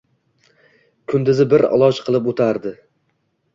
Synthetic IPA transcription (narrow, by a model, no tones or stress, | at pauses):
kʰʊnd̪ɪzɪbɪɾɒ̰lˠɒt͡ʃqʰɨlˠɪpot̪ʰaɾd̪ɪ